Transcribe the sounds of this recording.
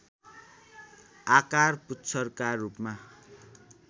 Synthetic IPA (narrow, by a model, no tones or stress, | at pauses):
akarputːt͡sʰʌrkarupma